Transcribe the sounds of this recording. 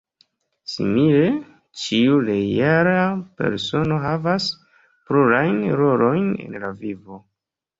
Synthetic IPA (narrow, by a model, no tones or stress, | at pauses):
sḭmile̞ | t͡ʃiule̞aɾape̞̰ɾso̞no̞ɦavas | pluɾajnɾo̞lo̞jne̞̰nlavivo